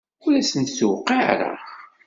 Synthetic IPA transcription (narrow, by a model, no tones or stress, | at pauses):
uɾæsənt̪səwqːiʕɾə̰